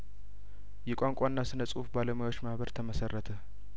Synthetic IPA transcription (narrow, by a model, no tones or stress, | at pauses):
jɛkʷʼaŋkʷʼanːasɨnəsʼufbaləmajo̞t͡ʃːmahβəɾt̪ʰəməsərːət̪ʰə